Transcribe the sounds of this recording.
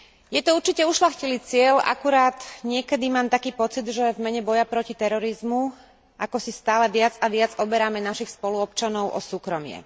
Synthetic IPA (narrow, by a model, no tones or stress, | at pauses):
jɛt̪ɔuɾt͡ʃicɛuʃʎaxciliːt͡sɪɛla̰kuɾaːd̪ɲɪɛkɛd̪imaːmt̪akiːpɔt͡sid̪ʒɛvmɛɲɛbɔjapɾɔcit̪ɛɾɔɾizmu | ʔakɔsist̪aːlɛʋɪad͡zaʋɪad͡zɔbɛɾamɛnaʃixspɔluɔpt͡ʃanɔʊʔɔ̰suːkɾɔmɪɛ̰